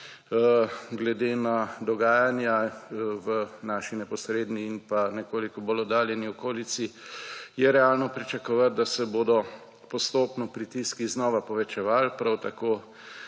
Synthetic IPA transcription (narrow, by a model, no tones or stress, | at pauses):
ɡlɛd̪eːnad̪ɔɡaːjanjaʋənaʃinɛpɔsɾeːd̪niːnpanɛkoːlikɔbolɔd̪aːljɛniɔkoːlisijɛɾɛalnɔpɾit͡ʃakɔʋat̪̚d̪asɛboːd̪ɔ | pɔst̪oːpnɔpɾit̪iskiznɔːʋapɔʋɛt͡ʃɛʋalpɾawt̪akoː